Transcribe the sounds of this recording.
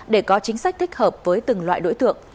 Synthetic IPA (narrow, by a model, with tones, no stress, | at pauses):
ɗe˧˩kɔ˨˦t͡ɕï˨˦ŋ̟sa˦˥k̚t̪ʰï˦˥k̟̚həː˨˩p̚vəː˨˦jt̪ɨ˨˩ŋlwa̰ː˧˨jɗo̰˧˥jt̪ɨ̰˧˨əŋ